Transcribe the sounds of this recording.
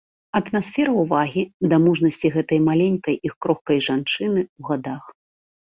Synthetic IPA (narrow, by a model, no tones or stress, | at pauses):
ɐt̪masʲfʲɛɾɐuvaɣʲid̪ɐmuʐnɐsʲt͡sʲiɣɛt̪ɐjmalʲenʲkɐjixkɾɔxkɐjʐant͡ʂɨnɨwɣad̪ax